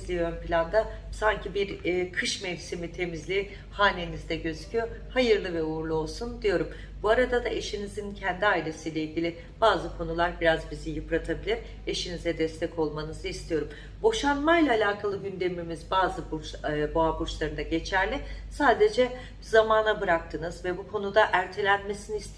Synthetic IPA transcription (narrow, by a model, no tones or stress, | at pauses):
zlʲiønpilʲand̪a | saɲcibiɾkʰɯʃmɛvsimit̪ʰe̞mizlʲi | haːne̞nizd̪ɛɟø̞zycʰyjo̞ɾhajɯɾlˠɯvɛuɾlˠuo̞lˠsund̪ijo̞ɾum | buaɾad̪ad̪aʔe̞ʃinizincʰɛnd̪iaːilʲe̞siːlʲeilʲɟʲilʲi | b̥aːzɯkʰo̞nulˠaɾbiɾazbizijɯpɾat̪ʰabilʲiɾ | e̞ʃinizɛd̪ɛst̪ʰɛcʰo̞lˠmanɯzɯist̪ʰijo̞ɾum | bo̞ʃanmajlʲˠaːlʲaːkʰalˠɯɟynd̪emimizbaːzɯbut͡ʃboabuɾt͡ʃlˠaɾɯnd̪aɟe̞t͡ʃʰæɾlʲɪsaːd̪e̞d͡ʒɛ | zamaːnabɯɾak̚t̪ʰɯnɯzvɛbukʰo̞nud̪aʔæɾt̪ʰe̞lʲænme̞siniist̪ʰ